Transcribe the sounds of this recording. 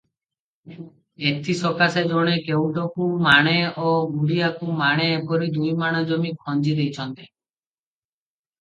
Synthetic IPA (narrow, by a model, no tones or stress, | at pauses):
et̪ʰisɔkased͡ʒɔɽ̃ekeũʈɔkumaɽ̃eoɡuɽiakumaɽ̃epɔɾid̪ujmaɽ̃ad͡ʒɔmikʰɔnd͡ʒid̪ejt͡ʃʰɔnt̪e̥